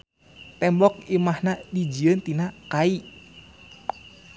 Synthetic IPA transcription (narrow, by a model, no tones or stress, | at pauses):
t̪ɛmbɔk̚imahnadid͡ʒiənt̪inakai